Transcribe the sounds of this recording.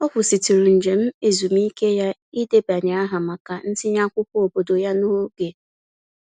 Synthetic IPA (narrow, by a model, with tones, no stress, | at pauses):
ɔ˦kʷʊ˨si˨ti˨ɾu˨n̩˨d͡ʒe˨m̩˦e˨zu˨mi˦ke˦ja˦i˦de˦ba˨ɲa˨a˦ɦa˨ma˨ka˨n̩˦sɪ˦ɲa˦kʷʊ˦kʊ˦o˨bo˨do˨ja˦no˦ɡe˨